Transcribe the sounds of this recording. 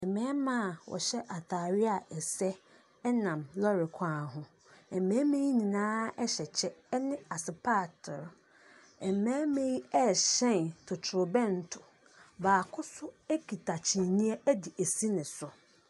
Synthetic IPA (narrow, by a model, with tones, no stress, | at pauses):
ɛ˨mɛ̃ː˦mã˦˨wɔ̰˨ɕɛ˦ʔa˨tʰaː˨ɾɪ˦a˨ʔɛ˨sɛ˦ | ɛ˦nã˨mlɔ˦ɾɪ˨kʰãː˦ɦʊ̃˦ | ɛ˨mɛ̃ː˦mẽ˦ji˦nĩ˨nãː˦ɛ˦ɕɛ˨t͡ɕʰɛ˦nɪ̃˦a˨sɪ˨pʰa˦˨tʰɔ˨ɾ | ɛ˨mɛ̃ː˦mẽ˦ji˦ɛ˦˨ɕɛ̃˦˨ntʰʊ˨tʰʊ˨ɾʊ˨bɛ̃˦n˨tʰʊ˨ | baː˨kʰʊ˦sʊ˦e˦kʰi˨tʰa˨t͡ɕʰĩ˨nĩ˦ɛ˦æ˦di˨æ˨si˦nɪ̃˨sʊ˨